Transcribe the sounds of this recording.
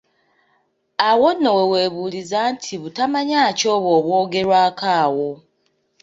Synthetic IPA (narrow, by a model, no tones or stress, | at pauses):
awonːowe̞we̞ːβuːlizaːntʰiβutamaɲaːco̞ːβo̞ːβwo̞ːɡe̞ɾwaːkaːwo̞